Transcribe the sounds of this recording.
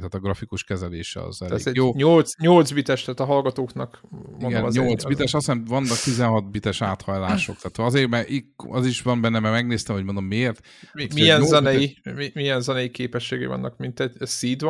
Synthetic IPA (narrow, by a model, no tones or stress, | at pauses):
t̪aːt̪ɒɡrɒfikuʃkɛzɛleːʃɛ̰ɒ̰zɛl̰ːɛjoːɲolt̪sɲolt̪zbit̪ɛʃt̪aːt̪ɒɦɒlɡɒt̪oːknɒkionɡɛɲolt̪zbit̪ɛʃɒsɛnvɒnːɒk̚t̪izɛnɦɒt̪̚bit̪ɛʃaːt̪hɒjlaːʃokt̪aːt̪hoɒzeːrmɛʔiɒziʃʋɒmbɛnːɛmɛrmɛɡneːst̪ɛmho̞ɟmo̞nd̪o̞mːieːrt̪ | imijɛnzɛnɛjimimijɛnzɛnɛjikeːpɛʃːeːɡḛvɒ̰nːɒ̰kmint̪ɛɟsiːd̪v